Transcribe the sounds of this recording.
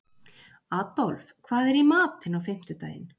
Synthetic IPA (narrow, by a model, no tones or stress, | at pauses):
aːt̪ɔlfkʰvaːðɛɾimaːt̪ɪnawfɪm̥t̪ʏt̪a̰ːjɪ̰n